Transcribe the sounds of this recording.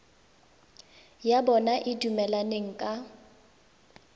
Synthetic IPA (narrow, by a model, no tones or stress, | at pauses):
jabɔnaʔɪdumɛlaneŋ̩kʼa